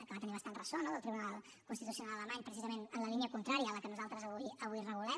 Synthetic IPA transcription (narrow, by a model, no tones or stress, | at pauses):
əkəβat̪əniβəst̪anrəsonoðəlˠt̪ɾiβunalˠ | kunst̪it̪usijunalˠələmaɲpɾəsizəmenənləliniəkunt̪ɾaɾijəːləkənuzalˠt̪ɾəzəβuiəβuirəɣulɛ